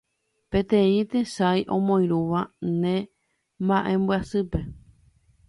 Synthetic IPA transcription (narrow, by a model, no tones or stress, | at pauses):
pẽ̞t̪ẽ̞ĩt̪eʃajʔõ̰mõj̃ɾuʋanẽ̞ | mãʔẽmbɨasɨpe̞